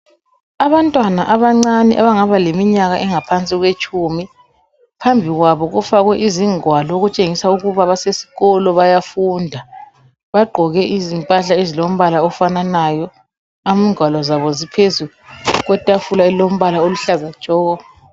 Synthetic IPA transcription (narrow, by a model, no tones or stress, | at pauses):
aβantʼwanaʔaβaŋ͡ǀaniʔaβaŋaβalemiɲaɣa̰ʔɛŋapʰant͡sʼiɣwet͡ʃʼumi | pʰambʱiɣwaβɔɣufaɣwɛʔiziŋwalɔoɣut͡ʃʼeŋisauɣuβaβasesi̥ɣɔlɔβajafundʱa | βaɡ͡ǃʱɔɣɛʔizimpʼaɬaezilom̩βalaɔfananajɔ | amiŋʱwalɔzaβɔzipʰezuluɣwɛtʼafulaɛlom̩βalaoluɬazḁt͡ʃɔːɣɔ